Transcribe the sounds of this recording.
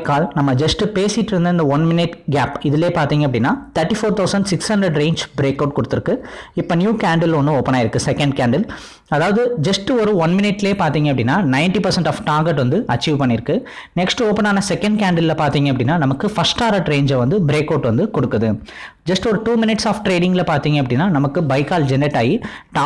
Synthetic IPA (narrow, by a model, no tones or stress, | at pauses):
kːaːlnɐmːɐd͡ʒɐsʈɯpeːsɪʈːɾɯnd̪ɐɪnd̪ɐʋɐnmɪnɪʈɡaːpɪðɪleːpaːɾt̪iːŋɡɐpːɐɽɪnːaːt̪ʰɐɾʈːifoːɾt̪ʰɐʊsɐɳɖsɪkshɐɳɖɾɐɖɾeːnd͡ʒbɪɾeːkːɐʊʈ̚kɔɽɯt̪ːɪɾɯkːɯɪpːonjuːkaːɳɖɪlɔnːɯoːpːɐnaːɪɾɯkːɯsɛkɛɳɖ̚kaːɳɖɪl | ɐðaːʋɐðɯd͡ʒɐsʈɔɾɯʋɐnmɪnɪʈːɪleːpaːɾt̪iːŋɡɐpːɐɽɪnːaːnɐɪɳʈipɐɾsɐɳʈaːfʈaːɡɛʈʋɐnd̪ɯʔɐt͡ʃːiːʋpɐɳːɪɾɯkːɯ | nɛksʈoːpɐnaːnɐsɛkːɛɳɖ̚kaːɳɖɐllɐpaːɾt̪iːŋɡɐpɐɽɪnːaːnɐmɐkːɯfɐɾsʈaːɾɐʈɾeːɲd͡ʒɐʋɐnd̪ɯbɪɾeːkːɐʊʈʋɐnd̪ɯkɔɽɯkːɐðɯ | d͡ʒɐsʈɔɾɯʈuːmɪnɪʈsaːfʈɾeːɽɪ̃ŋɡɪlɐpaːɾt̪iːŋɡɐpːɐɽɪnːaːnɐmɐkːɯbɐɪkaːld͡ʒɛnɛʈːaːjiʈː